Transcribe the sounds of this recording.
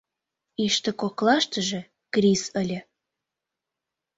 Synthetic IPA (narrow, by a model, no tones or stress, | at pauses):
iʃt̪ə̆koklɑʃt̪ə̆ʒĕ | krʲisəlʲə̆